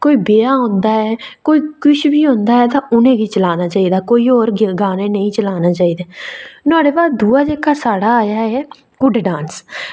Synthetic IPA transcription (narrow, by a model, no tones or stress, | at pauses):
koːiːbeːaːɦõːnd̪aːɛːkoːiːkʊʃʰbiːɦõːnd̪aːɛːt̪ãːʔʊnẽːɡiːt͡ʃəlaːnaːt͡ʃaːiːd̪aːkoːiːoːɾɡaːneːnəĩːt͡ʃəlaːnaːt͡ʃaːiːd̪eːnʊaːɽeːbaːd̪uːaːd͡ʒeːkaːsaːɽaːaːjaːɛː | ɡʊɖɖãːns